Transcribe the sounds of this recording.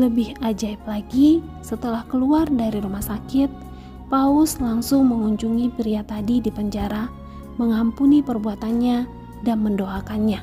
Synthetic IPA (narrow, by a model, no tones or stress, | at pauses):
ləbɪhad͡ʒaip̚laɡisət̪əlahkəluardaɾiɾumahsakɪt̪̚ | paʊslaŋsʊŋməŋuɲd͡ʒuŋipɾiat̪adidipəɲd͡ʒaɾa | məŋampunipərbuat̪anɲa | danməndoakanɲa